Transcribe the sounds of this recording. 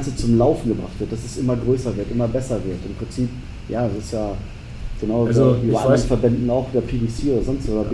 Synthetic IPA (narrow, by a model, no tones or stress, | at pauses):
t͡sət͡sʊmlaʊfn̩ɡəbʁa̰χtv̥ɪɐt̚d̥asɛsʔɪmɐɡʁøːsɐvɪɐtʔɪmɐbɛsɐvɪɐtɪmpʁ̥ɪnt͡siːp | jaːsɪstjaː | ɡ̥ənaʊoʔːbaɐandʁənfɛɐbɛndn̩aʊxviːdɐpʰiːbisiːoːɾɐzɔnstvoːdɐ